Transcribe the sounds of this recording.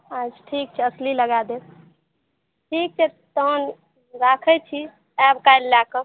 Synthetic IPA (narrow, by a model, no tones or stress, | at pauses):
ad͡ʒʈʰik̚t͡ʃʰɛəsliləɡad̪et̪ | ʈʰik̚t͡ʃʰɛ | t̪ən | ɾakʰɛt͡ʃʰi | ɛbkajlːakə